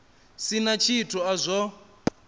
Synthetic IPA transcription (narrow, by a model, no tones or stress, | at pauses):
sinat͡ʃʰitʰuazʷɔ